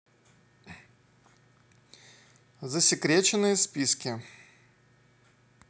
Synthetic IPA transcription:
zəsʲɪkɾʲet͡ɕɪnːɨjəspʲiskʲɪ

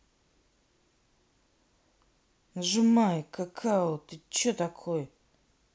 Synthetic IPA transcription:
ʐɨmajkakʰaot̪ɨt͡ɕot̪akʰoj

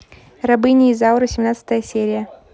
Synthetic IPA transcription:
rɐbɨnʲɪːzaʊɾəsʲɪmnat̪sɨ̥t̪əjəsʲeɾʲɪjə

